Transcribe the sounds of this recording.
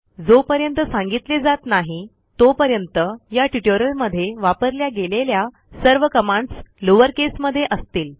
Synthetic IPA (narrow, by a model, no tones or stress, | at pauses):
d͡zopəɾjənt̪əsãŋɡit̪led͡zat̪naɦi | t̪opəɾjənt̪əjaʈuʈoɾəlməd̪ʱːjeʋapəɾljaɡelelja | səɾʋəkəmãɳɖsloʋəɾkesməd̪ʱːjeʔəst̪iːl